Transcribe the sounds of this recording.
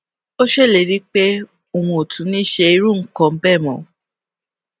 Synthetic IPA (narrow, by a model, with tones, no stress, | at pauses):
o˦ʃe˦˨le˨ɾi˦k͡pe˦ | o˨wũ˧o˨tʰũ˨˦nĩ˦ʃe˧i˧ɾu˦˨ŋ̩˦kɔ̃˧m̩˦bɛ˦˨mɔ̃˨˦